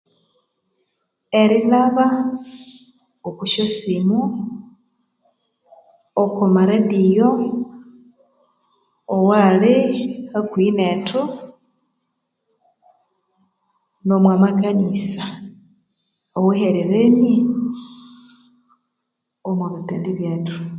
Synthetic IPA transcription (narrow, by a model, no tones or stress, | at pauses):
e̞ɾilaβa | oβuʃosimu | okomaɾadijo | owalehakwinetʰu | nomwamakanisa | oweheɾeɾeni | omwaβutandiβjetu̥